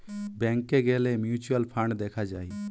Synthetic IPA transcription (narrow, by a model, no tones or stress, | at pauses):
bɛ̃ːŋkːeɡeːlemjuːt͡ʃuəlpʰəɳɖd̪eːkʰad͡ʒaːi